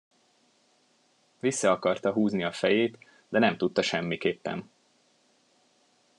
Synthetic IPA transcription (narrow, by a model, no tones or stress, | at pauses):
visːɒɒkɒrt̪ɒɦuːzniɒfɛjeːt̪ | d̪ɛnɛmt̪ut̪ːɒʃɛmːikeːpːɛ̰n